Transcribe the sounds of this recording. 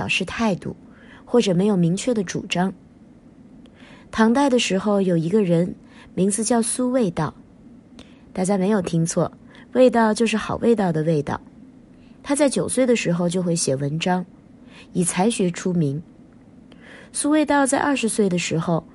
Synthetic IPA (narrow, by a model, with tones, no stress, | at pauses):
ʊʂɻ̩˥˧t̪ʰa˥˧ɪt̪ṵ˥˩ | xwɔ˥˩ʈ͡ʂɤ˨˩me˧˥ɪjo˨˩ʊmi˧˥ŋt͡ɕʰɥɛ˥˩d̪ə˩ʈ͡ʂṵ˨˩ʈ͡ʂɑ˥ŋ | t̪ʰɑ˧˥ŋt̪a˥˩ɪd̪ə˩ʂɻ̩˧˥xo˧ʊjo˨˩ʊi˧˥ɡə˧ɻə˧˥n | mi˧˥ŋt͡sɹ̩˧t͡ɕjɑ˥˩ʊsu˥we˥˧ɪt̪ɑ˥˩ʊ | t̪a˥˩t͡ɕja˥me˧˥ɪjo˨˩ʊt̪ʰi˥ŋt͡sʰwɔ̰˥˩ | we˥˧ɪt̪ɑ˥˧ʊt͡ɕjo˥˧ʊʂ̬ɻ̩˥˩xɑ˨˩ʊwʔe˥˧ɪt̪ɑ˥˩ʊd̪ə˩we˥˧ɪt̪ɑ̰˥˩ʊ | t̪ʰa˥t͡sa˥˩ɪt͡ɕjo˨˩ʊswe˥˩ɪd̪ə˩ʂɻ̩˧˥xo˧ʊt͡ɕjo˥˧xwe˥˩ɪɕjɛ˨˩wə˧˥nʈ͡ʂɑ˥ŋ | i˨˩t͡sʰa˧˥ɪɕɥɛ˧˥ʈ͡ʂʰu˥mi˧˥ŋ | su˥we˥˧ɪt̪ɑ˥˧ʊt͡sa˥˧ɪʔɐ˞˥˩ʂɻ̩˧˥swe˥˩ɪd̪ə˩ʂɻ̩˧˥xo˧ʊ